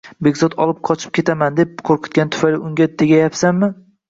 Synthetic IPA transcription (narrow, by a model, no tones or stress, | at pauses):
be̞ɡʲzɒt̪ʰɒ̰lˠɪp̚qʰɒt͡ʃʰɪ̥p̚kʲʰe̞t̪ʰamand̪e̞p̚kʰoɾqɨ̥t̪̚ɡʲant̪ʰʊ̥fajlɪʊŋɡʲat̪ʰeɡʲajapsanmɪ